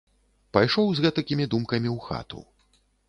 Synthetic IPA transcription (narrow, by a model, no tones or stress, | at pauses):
pajʂɔwzɣɛt̪ɐkʲimʲid̪umkɐmʲiwxa̰t̪ṵ